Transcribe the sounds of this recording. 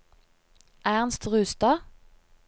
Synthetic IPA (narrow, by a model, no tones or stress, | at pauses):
ʔæːʁnst̪ʁʉːst̪ɑ